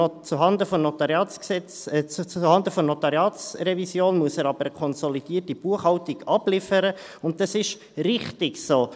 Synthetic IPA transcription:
t͡suɦɑndəfɔmnɔt̪ɑɾjɑːsɛt͡st͡suhɑndəfɔnɔtɑɾjɑːtsrɛvisjoːnmuəsəːɾɑbəɾəkʰɔnsɔlid̥iːərtib̥uəχhɑwtiɡɑb̥lɪfəɾəʊnttːɑsɪʃ | rɪχtɪɡsoː

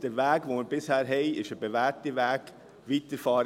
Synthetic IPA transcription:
d̥əʋæːɡʋoməɾbɪshæːɾɦɛɪɪʃəbeʋæːɾtiʋæːɡ̥ | ʋiːtəɾfɑːɾ

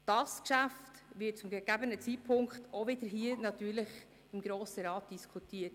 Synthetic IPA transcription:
d̥ɑskʃæftʋɪt̚t͡sʊmɡɛɡ̥æbənət͡siːt̚pʰʊŋkχtʰovɪdəɾɦiːənɑtyːɾləχ | ɪmɡɾoːsəɾɑːt̚d̥iskʰutiːət

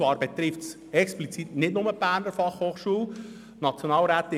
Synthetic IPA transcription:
vɑːɾbɛt̪ɾɪfts | ɛksplit͡sitnɪtnʊməb̥æːɾnəɾfɑχhoːχʃuːl | nɑt͡sjonɑːlɾæːt̪ɪ

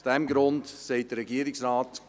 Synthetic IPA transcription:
sd̥ɛmɡɾʊndsɛɪt̚d̥əɾːɛɡiəɾɪksɾɑːt

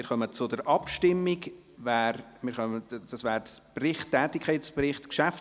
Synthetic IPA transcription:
ɪɾχœmət͡sʊdəɾʔɑpʃtɪmːɪɡ | væːɾmɪːɾχœməd̥ɑsvæːɾprɪχtːɛːtɪkʰχɛɪtsprɪχtkʃæf

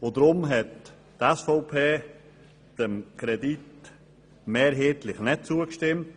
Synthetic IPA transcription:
odɾʊmɦɛt | tɛsfɔʊpʰeː | d̥ɛmkɾɛdit | meːɾɦeːtlɪχnɛt̚t͡suəkʃtɪmt

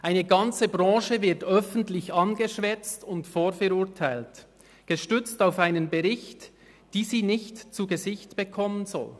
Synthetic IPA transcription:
ʔaɪnəɡɑnt͡səbʁɑ̃ːʃəvɪɐtœfn̩tlɪçɑnɡəʃvɛt͡stʊntfoːfɛɾʊɐtʰaɪlt | ɡ̥əʃtʏt͡staʊfaɪnənbəʁɪçt | d̥iːziːnɪçtt͡suɡəzɪçtb̥əkʰɔmənzɔ̰l

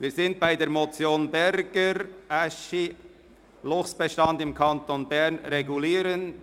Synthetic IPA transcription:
viːzɪnt̚b̥aɪdeːɾmot͡sjoːnbɛɾɡəɾʔaʃi | lʊxsb̥ɛʃtɑndɪmkʰɑntonbɛɾnɾeɡuliːɾən

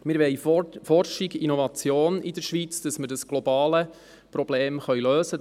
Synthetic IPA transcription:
mɪːɾʋɛjfɔrʃiɡinovɑt͡sjoːnidəɾʃʋit͡sd̥ɑsməɾdəsɡ̥lobɑːlə | pɾɔb̥leːmχœɥløːsə

